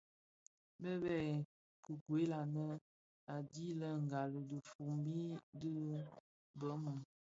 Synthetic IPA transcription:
bə˦bɛ˦˨ | kə˨ɡwe˨˦la˨nə˦ | a˨di˦lə˦ŋ̩˨ɡa˨lə˨də˨fu˨mbi˦də˦ | bə˦mu˨

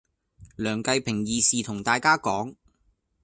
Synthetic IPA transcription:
lœː˨˩ŋkɐ˧jpʰɪ˨˩ŋjiː˨siː˨t̪ʰʊ˨˩ŋt̪aː˨jkaː˥kɔː˨˥ŋ

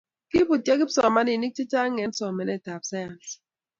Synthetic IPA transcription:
ki˦bu˨tja˦ki˦psɔ˨ma˦ni˨ni˦k̚t͡ʃi˦t͡ʃa˦ŋɛ˨˦n˦sɔ˨mɛ˨nɛ˦˨ta˨p̚sa˦ja˨ns

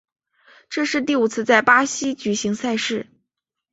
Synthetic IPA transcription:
ʈ͡ʂɤ˥˧ʂɻ̩˥˧t̪̬i˥˩u˨˩t͡sʰɹ̩˥˧t͡sa˥˩ɪpa˥ɕi˥t͡ɕy˨˩ɕi˧˥ŋsa˥˧ɪʂɻ̩˥˩

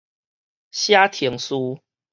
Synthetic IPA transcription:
ɕja˦t̪ʰi˨˧˦ŋsu˦

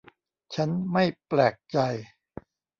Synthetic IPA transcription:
t͡ɕʰa˦˥nma˥˩jplɛː˨˩k̚t͡ɕa˧j

